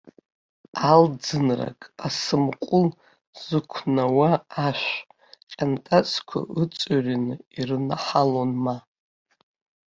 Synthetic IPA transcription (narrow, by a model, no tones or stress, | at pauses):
ald͡zɨnra̰kʼasɨmqʷʼʊl | z̥ɨkʷʰnawaːʃʷ | qʲʼantʼat͡sʼʰkʷʰa̰ʔɨt͡sʼarinɨirɨnaħalonma